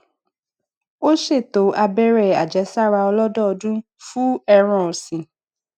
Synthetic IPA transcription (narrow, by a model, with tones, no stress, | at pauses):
o˦ʃe˦˨to˨˦ʔa˧bɛ˦ɾɛ˦˨a˨d͡ʒɛ˨˦sa˦˨ɾa˧ɔ˧lɔ˦dɔ˦ɔ˧dũ˦ | fu˦ɛ˧ɾ̃ɔ̃˨ɔ˨sĩ˨